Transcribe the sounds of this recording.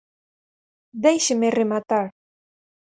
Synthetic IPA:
d̪ejʃə̆meremɑt̪ɑ

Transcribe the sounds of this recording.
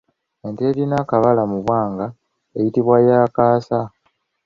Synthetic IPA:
enteːɾinakaβalamuβwaːŋɡa | e̞jitiβwajaːkaːsa

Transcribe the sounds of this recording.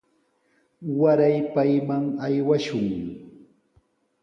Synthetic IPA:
waɾajpajmaŋajwaʃʊŋ

